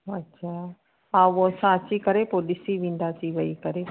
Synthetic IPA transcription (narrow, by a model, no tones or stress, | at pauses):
ɐtːɕʰaː | ãosãɐt͡ɕikɐɾepoːlɪsiʋĩːn̆d̪atiʋɐikɐɾe